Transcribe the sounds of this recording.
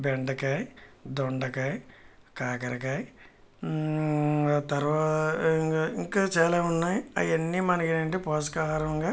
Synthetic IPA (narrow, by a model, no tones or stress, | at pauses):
beɳɖɐkɐjd̪oɳɖɐkɐjkaːkɐɾɐkaj | t̪ɐɾʋaː | iŋkaːt͡ʃaːlaːunːaːjiɐ̰jenːimɐnɐkɐnɐɳʈepɔːs̬ɐkaːɦaːɾɐmɐŋɡaː